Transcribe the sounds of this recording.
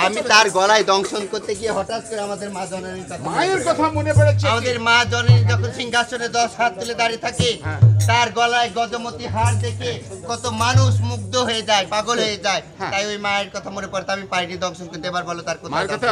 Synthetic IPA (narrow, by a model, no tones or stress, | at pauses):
amit̪aɾɡɔlaed̪ɔŋsonkoɾt̪eɡieɦɔʈat̪̚koɾeamad̪eɾmad͡ʒɔnoɾiɾkɔt̪ʰamajoɾkɔt̪ʰamunepɔɽet͡ʃʰamad̪eɾmad͡ʒɔneɾid͡ʒɔkʰɔnsʰiŋɡʱasoned̪ɔsɦat̪̚ːuled̪aɾit̪ʰaket̪aɾɡɔlaeɡɔd͡ʒomot̪iɦaɾd̪ekʰekɔt̪omanusmuk̚d̪oɦoed͡ʒaepaɡolɦoed͡ʒae | t̪ajojmaeɾkɔt̪ʰamunepɔɾet̪ʰamipaɾʈid̪ɔŋsɔnkoɾt̪eebaɾbʱɔlot̪aɾkɔtʰa